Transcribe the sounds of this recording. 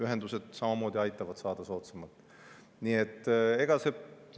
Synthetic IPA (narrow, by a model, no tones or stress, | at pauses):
yɦe̞nd̪use̞d̪̥sɑmɑmo̞ːd̪̥ʲiɑjt̪ːˑɑvɑd̪̥sɑːd̪̥ɑso̞ːt̪semɑt̪ːˑ | nie̞t̪ːˑe̞ɡ̥ɑse̞